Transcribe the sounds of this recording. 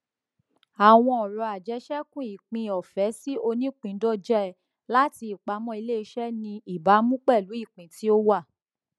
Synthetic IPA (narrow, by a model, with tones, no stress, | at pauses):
a˨w̃ɔ̃˧ɔ˨ɾɔ˧a˨d͡ʒɛ˨˦ʃɛ˦kũ˦i˨k͡pĩ˧˨ɔ˨fɛ˨˦si˦o˧nĩ˦k͡pĩ˨˦dɔ˦d͡ʒɛ˦ɛ˦˨ | la˦ti˧i˨k͡pa˨˦mɔ̃˦i˧le˦i˧˦ʃɛ˦nĩ˧i˨ba˨˦mũ˦k͡pɛ˦˨lu˨˦i˦˨k͡pĩ˨ti˨˦o˦wa˦˨